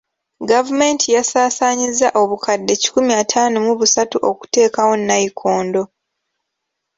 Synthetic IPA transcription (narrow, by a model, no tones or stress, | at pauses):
ɡavume̞ntʰijasaːsaːɲizːaʔo̞βukʰadːe̞ci̥kumiatʰaːnomuβusatuʔo̞ku̥te̞ːkawo̞nːajikʰo̞ːndo̞